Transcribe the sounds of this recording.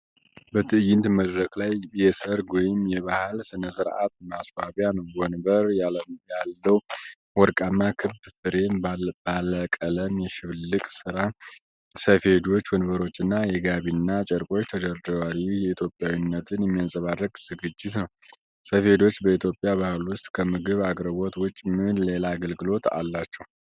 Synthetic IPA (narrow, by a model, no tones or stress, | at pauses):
bət̪ʰɨɨjɪnt̪məd̪ɾəkʼlajjɛsəɾɡwɔjɪmjɛβahalsɨnəsɨɾʔa̰t̪maswaβjanəwwɔnbəɾjalːəw | wɔɾkʼanːakʰɨβbfɨɾe̞mb̥aləkʼələmjɛʃɪβllɨkʼsɨɾa | səfe̞d̪o̞t͡ʃːwɔnbəɾo̞t͡ʃːɨnːajɛɡaβinːat͡ʃʼɛɾkʼo̞t͡ʃːt̪ʰəd̪əɾd̪walujɛit̪ʰjo̞pʼːjawinːət̪ʰɨnjɛmːijansʼəβarːəɡz̥ɨɡɨd͡ʒːɪt̪nəw | səfe̞d̪o̞t͡ʃːbəit̪ʰjo̞pʼijaβahɨlwʊst̪ʼkʰəmɨɡɨβaɡɾəβot̪wʊt͡ʃʼːmɨnle̞laːɡəlɡɨlo̞t̪ʰa̰lːat͡ʃːɛw